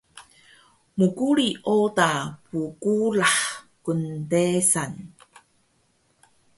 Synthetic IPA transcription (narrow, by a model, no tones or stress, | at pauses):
mukuɭiʔotapukulaħkuntesan